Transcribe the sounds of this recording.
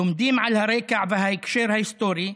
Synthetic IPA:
ʊmd̪iːmʕalhaɾˤeːkaʕbaɦajkʃeːɾhajst̪oːɾi

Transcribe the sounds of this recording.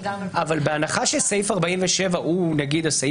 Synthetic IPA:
avalbeanaχaʃelsejfaʁbaimveʃe̞vaʔunaɡid̪asa

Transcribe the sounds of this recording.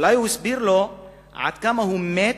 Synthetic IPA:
lajusbiɾlo | a̰t̪kamɐɦume

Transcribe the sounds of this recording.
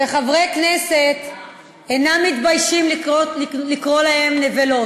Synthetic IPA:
beχavʁejknese̞t̪ | enamːit̪bajʃiml | likʁo̞lahemnevelo̞

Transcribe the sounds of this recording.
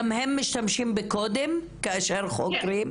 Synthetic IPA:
amhemːɪʃt̪amʃiːmbekoːd̪em | keʔaʃeɾxokɾiːm

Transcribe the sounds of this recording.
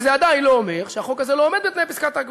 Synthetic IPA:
zead̪ainlo̞ːme̞ʁʃeaχo̞kazelo̞omed̪̚bepnejpiskat̪aɡ

